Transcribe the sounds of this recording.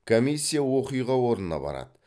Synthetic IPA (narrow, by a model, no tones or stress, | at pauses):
kʰomisʲːijawo̞qijʁɑwo̞ɾnənɑ̰bɑ̰ɾɑ̰d̪ə